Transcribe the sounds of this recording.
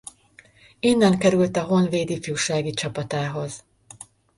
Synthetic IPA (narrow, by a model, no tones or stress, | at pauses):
iːnːɛŋkɛɾylt̪ɒɦo̞nveːd̪ifjuːʃaːɡit͡ʃɒpɒt̪aːɦo̞z